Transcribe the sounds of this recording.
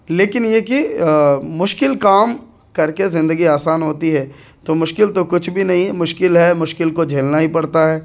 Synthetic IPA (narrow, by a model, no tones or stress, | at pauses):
leːkɪnjeki | mʊʃkɪlkaːm | kɐɾkezɪ̃nd̪əɡiaːsaːnɦoːt̪iɦɛːt̪omʊʃkɪlt̪okʊt͡ʃʰbʱinɐɦĩɛmʊʃkɪlɦɛmʊʃkɪlkod͡ʒʱeːlnaɦipɐɽt̪aɦɛː